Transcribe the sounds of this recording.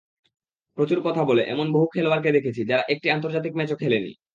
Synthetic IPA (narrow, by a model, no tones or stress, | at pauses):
pɾot͡ɕuɾkɔt̪ʰaboleʔɛ̰monboɦukʰɛloaɾk̬ed̪ekʰet͡ɕʰid͡ʑaɾaʔek̚ʈiant̪oɾd͡ʑat̪̬ikmɛt͡ɕokʰelenḭ